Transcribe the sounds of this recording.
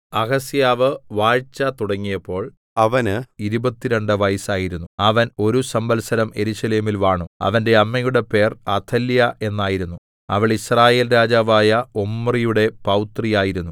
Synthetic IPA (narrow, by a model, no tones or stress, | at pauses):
ɐɣɐsjaːʋɨʋaːɻt͡ɕːɐt̪uɽɐŋːijɐpːo̞ːɭ | ɐʋɐniɾubɐt̪ːiɾe̞ɳɖɨʋɐjsaːjiɾunːuɐʋɐno̞ɾusɐmbɐlsɐɾɐme̞ɾuɕɐle̞ːmilʋaːɳuɐ̰ʋɐnde̞ɐmːɐjuɽe̞pe̞ːrɐt̪ʰɐljɐʔe̞nːaːjiɾunːu | ɐ̰ʋiɭisraːje̞ːlɾaːd͡ʑaːʋaːjɐomːrijuɽe̞pɐwt̪rijaːjiɾunːu